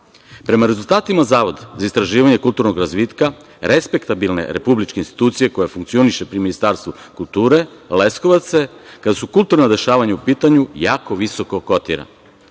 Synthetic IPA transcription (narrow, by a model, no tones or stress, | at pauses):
pɾe̞maɾe̞zulˠt̪aːt̪imazaːʋo̞d̪zaist̪ɾaʒiːʋaɲe̞kulˠt̪uɾnoɡɾazʋiːt̪ka | ɾespe̞kt̪abilˠne̞̰ɾe̞̰publit͡ʃkeinst̪i̥t̪uːt̪sije̞ko̞jefuŋkt̪sio̞niʃe̞pɾiminist̪aɾst̪ʋu | kulˠt̪uːɾe̞le̞skoʋat̪sekad̪asukulˠt̪uɾnad̪e̞ʃaːʋaɲaupiːt̪aɲujaːko̞ʋiso̞ko̞ko̞t̪ḭɾa̰